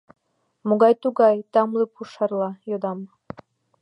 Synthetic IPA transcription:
moɡɑjt̪uɡɑjt̪ɑmlˠɨpuʃɑrlˠɑjod̪ɑm

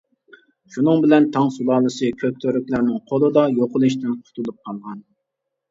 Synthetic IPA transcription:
ʃunɨŋbɪlɛnt̪ʰɑŋsulˠɑːlˠɨsɨkʲʰøk̚ʲt̪ʰøɾykʲlæɾnɪŋqʰolˠɨd̪ɑjoqʊlˠɨʃ̬t̪ɪnqʰʊ̥t̪ʰulˠup̚qʰɑlˠʁɑn

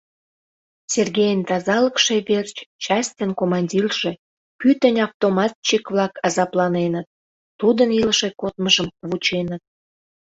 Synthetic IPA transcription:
sʲerɣʲejənt̪ɑzɑləkʃeβert͡ɕt͡ɕɑst̪ʲənkomɑnʲdʲilʒ̥e̽ | pyt̪ənʲɑft̪omɑt̪̚t͡ɕikβlɑkɑzɑplɑnenət̪̚ː | ud̪əniləʃekot̪məʒəmβut͡ɕenət̪̚

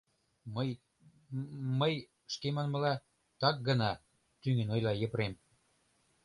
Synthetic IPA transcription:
mj | məj | ʃkemɑnmə̆lɑ | t̪ɑk̚ɡə̆nɑ | t̪yŋenojlɑjəpɾem

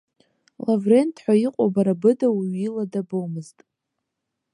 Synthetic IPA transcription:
lavre̞ntʰħʷᶣaiqʷʼabaɾabɨdawiiladabowmɨztʼ

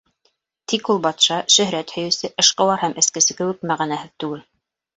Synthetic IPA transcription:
t̪ikulˠbɑt̪ʃɑʃɵ̆ɦɾæt̪hɵ̆jɵ̆sɘʔɤ̆ʃqɤ̆wɑɾhæmʔɘ̆skɘ̆sɘ̆kɘ̆wɘk̚mæʁænæɦɘðt̪ʉɡɘl

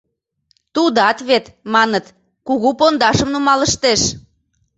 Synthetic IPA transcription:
t̪ud̪ɑt̪βet̪mɑnət̪ | kuɣupond̪ɑʃəmnumɑləʃt̪eʃ

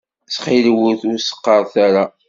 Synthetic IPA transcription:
sχɪlwʊθʊɾsə̥qːɑɾˤθaɾa

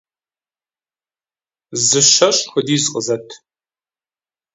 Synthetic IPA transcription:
zɨʃɐɕʼxʷʊdiːzqʼəzɐtʰ

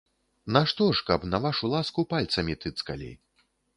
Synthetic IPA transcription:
nɐʂt̪ɔʂkɐpnɐvaʂulˠaskupalʲt̪sɐmʲit̪ɨt̪skalʲḛj

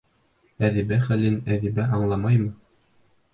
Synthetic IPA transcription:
æðibæχælɘnæðibæʔɑɴlˠɑmɑjmɤ

